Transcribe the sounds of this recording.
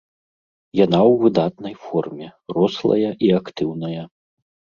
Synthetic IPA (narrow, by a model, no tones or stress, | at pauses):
jan̪awːɨd̪at̪̚nɐjfɔrmʲɛrɔslˠɐ̰jɐʔiakt̪ɨwnɐjɐ